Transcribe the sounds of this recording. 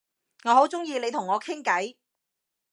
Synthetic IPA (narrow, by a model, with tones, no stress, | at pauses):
ŋɔː˨˧ɦo˨˥wt͡sʊ˥ŋjiː˧le˨˧jt̪ʰʊ˨˩ŋːɔː˨˧kʰɪ˥ŋkɐ˨˥j